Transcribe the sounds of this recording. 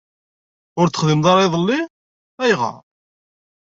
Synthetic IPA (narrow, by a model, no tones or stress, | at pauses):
ʊɾt̪ːə̥χðimðˤɑɾˤiðˤəlːi | θæjʁɑ̰